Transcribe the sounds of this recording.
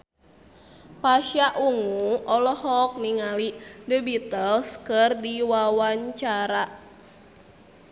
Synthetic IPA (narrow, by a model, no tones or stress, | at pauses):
paʃjaʔuŋuɔlɔhɔk̚niŋalidəbit̪əlskɨrdiwawaɲt͡ʃaɾaʔ